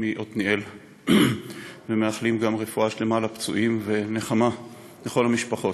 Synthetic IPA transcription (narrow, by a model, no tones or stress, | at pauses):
miʔo̞t̪niʔel | veme̞aχlimɡamʁe̞fuaʃle̞malapt͡sṵʔimve̞ne̞χama | leχo̞lamiʃpaχo̞t